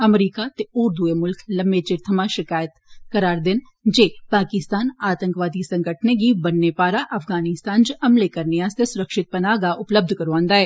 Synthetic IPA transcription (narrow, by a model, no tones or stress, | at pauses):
ɐmɾiːkat̪eʊɾd̪uemʊlklɐ̃mbeːt͡ʃɪɾt̪ʰəmaʃɪkaːjət̪kɐɾaːɾd̪ɪn | d͡ʒeːpaːkɪst̪aːnaːt̪ə̃ŋkʋaːd̪isɐ̃ŋɡəʈʰneɡibɐnːepaːɾaʔɐfʰɡaːnɪst̪aːnd͡ʒəɐmlekɐɾnɪjaːst̪esʊɾəkʃɪt̪̚pɐnaːɡaʔʊpləb̚d̪ʱkɐɾʋãːnd̪aɦɛː